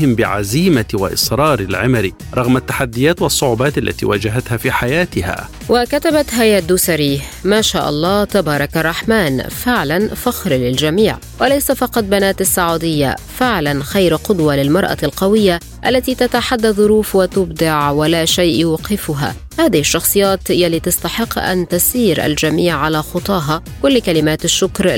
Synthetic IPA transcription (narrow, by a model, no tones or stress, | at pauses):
hɪmbɪʕa̰ziːmawa̰ʔɪ̰sˤɾˤɑːɾɪlʕɪmaɾḭ | ɾˤɑɣmat̪ːaħad̪ːɪjaːt̪wɑsˤːʊʕʊbɑːt̪ʔalːa̰t̪ḭːwa̰d͡ʒaɦat̪haːfiːħajaːt̪ɪha̰ː | wʔakat̪abat̪ɦajaːd̪ʊsaɾiːhmaːʃaːʔɑ̰lˤːɑːt̪abɑːɾˤɑkarˤːɑħmaːnfɪʕlanfaxɾlɪld͡ʒamiːʕ | walajsafɑqɑt̪̚banaːt̪asːaʕuːd̪ɪjːa̰fɪʕlanxajɾqʊd̪walɪlmɑɾˤʔa̰lqɑwɪjːa | ʔalːat̪iːt̪at̪aħad̪ːaðˤːʊɾuːfwat̪ʊbd̪ɑʕwalaːʃajʔjɑqɪfʊɦa̰ | haːðɪhɪʃːɑxsˤɨjːaːt̪jalːiːt̪ɑst̪ɑħɪqːʔa̰nt̪asiːɾʔa̰ld͡ʒamiːʕʕalaxʊt̪ˤɑːɦa | kʊlːkalɪmaːt̪aʃːʊkɾ